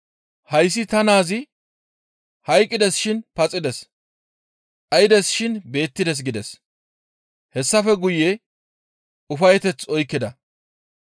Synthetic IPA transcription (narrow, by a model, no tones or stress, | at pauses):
hɐjs̬ːɪt̪ɐnaːzɪ | hɐjkʼːɪd̪ɛsʃɪnpɐt͡sʼːɪd̪ɛs | ʔɐjɪd̪ɛsʃɪnbe̞ːt̪ːɪd̪ɛs̬ɡɪd̪ɛs | hɛsːɐfɛɡʊjːɛ | ʊfɐjɛt̪ɛt͡sɔjkːɪd̪ɐ